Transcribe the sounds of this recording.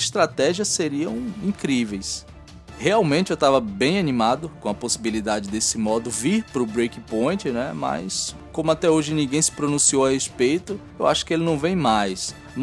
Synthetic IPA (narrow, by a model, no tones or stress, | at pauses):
ist̪ɾat̪ɛʒiɐsːeɾiɐ̃w̃ĩkɾivejs | heawmẽnt͡ʃɪewt̪avɐbẽj̃anĩmad̪ʊkõɐposibilid̪ad͡ʒɪd̪esɪmɔd̪ʊviɾpɾʊbɾejkĩpõj̃t͡ʃɪnɛ̰mɐ̰js | kõmʊat̪ɛoʒɪnĩɡẽj̃sɪ̥pɾonũsiowɐhespejt̪ʊ | ewa̰ʃʊ̥kɪelɪnɐ̃w̃vẽj̃majs | n